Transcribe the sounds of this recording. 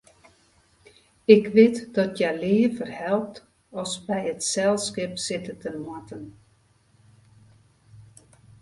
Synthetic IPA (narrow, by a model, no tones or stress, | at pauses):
ɪkʋɪtd̥ɔtjalɪːəfərhɛlˠp̚t | ɔsbɛjətsɛlˠskɪpsɪtətənmatən